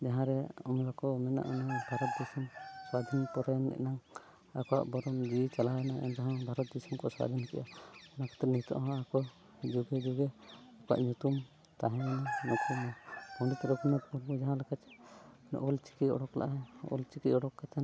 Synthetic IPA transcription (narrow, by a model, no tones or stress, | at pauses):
d͡ʒaɦãɾɛɔmɾakɔmɛna̰ʔɔnɛbʱaɾɔt̪̚d̪isɔmsad̪ʱinpɔɾajnɛ̰ʔnaŋ | akɔwa̰ʔbɔɾɔmd͡ʒit͡ʃalajnaɛ̰nt̪aɦɔ̃bʱaɾɔt̪̚d̪isɔmkɔswa̰d̪ʱinkɛ̰jʔaɛnakʰɔ̥t̪ɾɛnit̪ɔ̰ʔɦɔ̃akɔ | d͡ʒuɡɛd͡ʒuɡɛakɔwa̰ʔɲut̪um | t̪aɦɛ̃mɛnaɲut̪umɔɔɖit̪ɾɔkʰinapuɾbud͡ʒaɦãlɛkat͡ʃɛ̥ | nɔ̰ʔɔlt͡ʃi̥kiɔ̰ɽɔkla̰ʔɛɔ̰lt͡ʃikiɔɽɔkːat͡ʃan